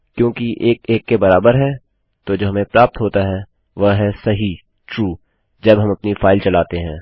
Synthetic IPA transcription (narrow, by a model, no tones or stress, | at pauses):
kjõːkiʔeːkeːkːebɐɾaːbəɾɦɛ | t̪od͡ʒoːɦɐmẽpɾaːp̚t̪ɦoːt̪aɦɛ | ʋɐɦɛsɐɦi | ʈɾuː | d͡ʒɐbɦɐmɐpnifaːɪlt͡ʃɐlaːt̪eɦɛ̃ː